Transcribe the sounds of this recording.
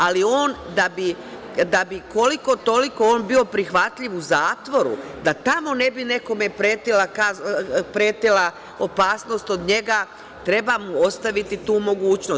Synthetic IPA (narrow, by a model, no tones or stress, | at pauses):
alio̞ːnd̪abi | d̪abiko̞liko̞t̪o̞likooːnbio̞pɾixʋat̪ʎiʋuzaːt̪ʋo̞ɾṵd̪at̪amo̞ne̞bine̞ko̞me̞pɾeːt̪ilakapɾeːt̪ila | o̞paːsno̞st̪o̞d̪ɲe̞ɡa | t̪ɾe̞bamuo̞st̪aʋit̪it̪uːmo̞ɡuːt͡ʃno